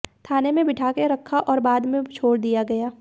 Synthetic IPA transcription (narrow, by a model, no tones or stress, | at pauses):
t̪ʰaːnemẽbɪʈʰaːkeɾɐkʰːaʔɔːɾbaːd̪mẽt͡ʃʰoːɽd̪ijaɡɐjaː